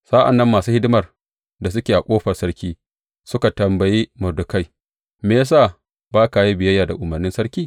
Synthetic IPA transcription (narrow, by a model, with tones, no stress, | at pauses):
sa˦ʔa̰˨nːɐ˦mːaː˨suː˦hɪ˦dɪ˦mɐ˨r | da˨s̬ʊ˦kʲeː˨ʔa˨kʷʼoː˦ɸɐ˨rsɐ˦ɾkʲiː˦ | sʊ˦ka˨tɐ˨mbɐ˨jiː˦mɐ˨dʊ˨ka˦j | me˨a˦saː˦˨ | baː˦ka˨ji˦bɪ˨jɐ˦jːaː˨da˨ʔʊ˨mɐ˨rnɪ˦nsɐ˦ɾkʲiː˦